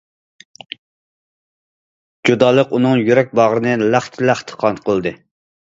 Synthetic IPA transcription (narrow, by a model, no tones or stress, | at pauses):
d͡ʒud̪ɑːlˠəqunɨŋjyɾɛk̚ʲbɑʁɾɨnɨlæχt̪ʰɪlæχt̪ʰɨ̥qʰɑnt̪qʰəlˠd̪ɨ